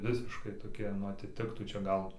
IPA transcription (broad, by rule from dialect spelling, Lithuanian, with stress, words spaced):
ˈʋʲɪsʲɪʃkɐɪ toːˈkʲiɛ nʊ ɐtʲɪˈtʲɪktuː t͡ʃʲɛ ˈɡɐlˠ